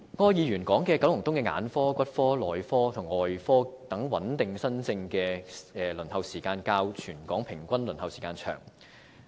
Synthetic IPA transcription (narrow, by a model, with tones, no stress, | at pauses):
ŋɔː˧jiː˨˧jyː˨˩nkɔː˨˥ŋkɛː˧kɐ˨˧˥wjʊ˨˩ŋt̪ʊ˥ŋkɛː˧ŋa̰ː˨˧˥nfɔː˥kʷɐ˥t̚fɔː˥lɔː˨˩jfɔː˥t̪ʰʊ˨˩ŋɔː˨˩jfɔː˥t̪ɐ˨˥ŋwɐ˨˥nt̪ɪ˨ŋsɐ˥nt͡sɪ˧ŋkɛː˧ɛː˨˧lɵ˨˩nhɐ˨˧wsiː˨˩kaː˧nkaː˧wt͡ʃʰyː˨˩nkɔː˨˥ŋpʰɪ˨˩ŋkʷɐ˥nlɵ˨˩nhɐ˨˧wsi˨˩kaː˧nt͡ʃʰœ̰ː˨˩ŋ